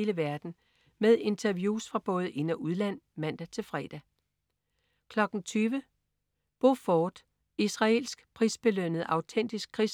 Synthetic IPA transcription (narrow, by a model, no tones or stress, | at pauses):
ləʋæɐd̥n̩ | með̞ˠe̝nt͡sʰæɐʋjuːsfʁɑ̈b̥ɔ̽ːð̞̩ˠʔe̝næʔuðˠlæn̰mæn̰d̥æt͡sʰe̝lfʁɛːd̥æ | kʰlɒ̽ɡ̥n̩t͡sʰyːʋə | b̥o̝fɒːd̥ | isʁɑ̈e̝lsɡ̥pʰʁiːsb̥e̝lønəð̞̩ˠɑ̈ʊt͡sʰen̰d̥isɡ̥̚kʰʁis